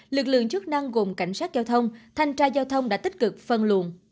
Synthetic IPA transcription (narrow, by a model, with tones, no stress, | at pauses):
lɨ˨˩k̚lɨ̰˧˨əŋt͡ɕɨ˦˥k̚na˧ŋɣo˨˩mka˧˩jŋ̟saː˦˥t̚zaː˧wt̪ʰə˧wŋ͡mt̪ʰa˧jŋ̟t͡ɕaː˧zaː˧wt̪ʰə˧wŋ͡mɗa̰ː˧˥t̪ï˦˥k̟̚kɨ˨˩k̚fə˨˩nlṵ˧˨ən